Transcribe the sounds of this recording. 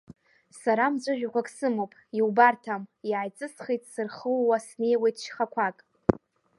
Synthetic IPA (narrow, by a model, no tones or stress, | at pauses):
saɾamd͡zʷʼʊʒᶣakʷakʼsɨmowpʼiwbartʰamiajt͡sʼɨsχijtʼsɨrχəlwasne̞jwejtʰʼʃχakʷʰakʼ